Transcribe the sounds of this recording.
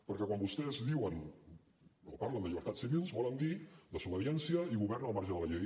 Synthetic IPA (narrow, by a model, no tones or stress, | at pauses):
pəɾkɛkwambust̪ɛzðiwən | o̰paɾlənd̪əʎiβəɾt̪atsiβilˠzβɔlənd̪iləsuβəðjɛnsiəiɣuβɛɾnəlˠmaɾʒəðələʎej